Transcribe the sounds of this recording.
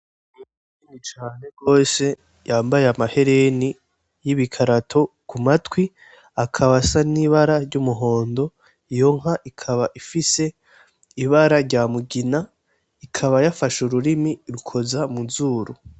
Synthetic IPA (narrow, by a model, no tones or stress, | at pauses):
nui | init͡ʃaːne̞ɡo̞ːse̞ | jaːmbajeamahe̞ɾe̞ni | jiβikʰaɾatʰo̞kumatwi | akʰaβasaniβaɾaɾɟumuɦo̞ːndo̞ | ijo̞ŋ̥ɦaʔikʰaβaʔifise̞ | iβaɾaɾɟaːmuɡina | ikʰaβajafaʃuɾuɾimiɾukʰo̞zamuzuːɾu